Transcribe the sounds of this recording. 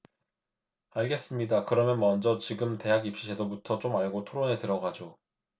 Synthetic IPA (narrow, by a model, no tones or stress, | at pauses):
aɭɡe̞s͈ɯmɲidakɯɾʌmjʌnmʌnd͡ʑʌt͡ɕiɡɯmte̞ɦaɡip̚ɕ͈iɕʰedobutʰʌt͡ɕ͈omaɭɡotʰoɾonetɯɾʌɡad͡ʑo